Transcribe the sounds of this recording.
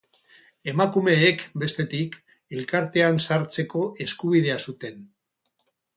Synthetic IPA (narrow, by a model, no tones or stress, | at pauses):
e̞makume̞ːkbe̞st̪e̞t̪ik | e̞lkaɾt̪e̞ansaɾt͡se̞ko̞ʔe̞skuβ̞iðe̞asut̪e̞n